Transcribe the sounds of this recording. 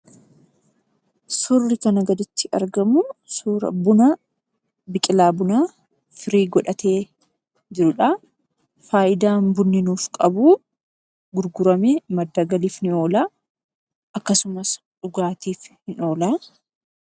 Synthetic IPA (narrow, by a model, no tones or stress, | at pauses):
sʊrːɪkɐnɐɡɐd̪ɪt̪ːɪʔɐ̰ɾɡɐmʊsuːɾɐ̰bʊna | bɪkʼɪlaːbʊnaː | fɪɾiːɡɔᶑɐt̪ʰeː | d͡ʒɪɾʊᶑɐ | faːʔɪd̪aːnbʊnːɪnuːfkʼɐbuː | ɡʊɾɡʊɾɐmeːmɐd̪ːaːɡɐliːfnɪo̞ːlaː | ɐkːɐsʊmɐs | ᶑʊɡaːt̪iːfhɪno̞ːlaː